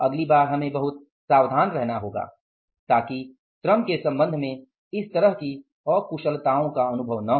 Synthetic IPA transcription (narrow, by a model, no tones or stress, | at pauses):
ɐɡlibaːɾɦɐmẽbɐɦʊt̪̚ | saːwd̪ʱaːnɾɛɦnaɦoːɡa̰ː | t̪aːki | t̪ɾəmkesɐ̃mbə̃nd̪ʱmẽ | ɪst̪ɐɾəɦki | ɔːɾkuʃəlt̪aːõkaɐnʊbʱəʋnɐ